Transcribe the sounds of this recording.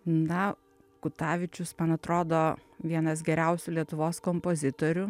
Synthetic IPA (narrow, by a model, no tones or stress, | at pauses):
nɐ | kʊt̪ɑːʋʲɪt͡ʃʲʊsmɐnɐt̪ɾoːd̪oːʋʲiɛnɐs̬ɡʲɛɾʲɛʊsʲʊlʲiɛt̪ʊʋoːskompozʲɪt̪oɾʲʊ